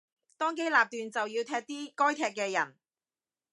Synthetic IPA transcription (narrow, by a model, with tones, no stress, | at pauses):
t̪ɔː˥ŋke˥jlaː˨p̚t̪yː˨nt͡sɐ˨wjiː˧wt̪ʰɛː˧k̚t̪iː˥kɔː˥jt̪ʰɛː˧k̚ːɛː˧jɐ̰˨˩n